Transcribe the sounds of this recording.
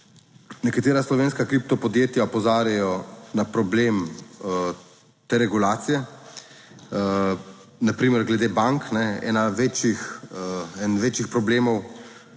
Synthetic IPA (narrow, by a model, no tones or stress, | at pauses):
nɛkat̪eːɾaslɔʋeːnskakɾip̚t̪ɔpɔd̪jeːt̪jaɔpɔzaːɾjajɔnapɾɔbleːm | t̪eːɾɛɡulaːt̪sijɛ | napɾiːmɛɾɡlɛd̪eːbaŋknɛɛ̰ːnaʋeːt͡ʃjix | ɛnʋeːt͡ʃixpɾɔbleːmɔw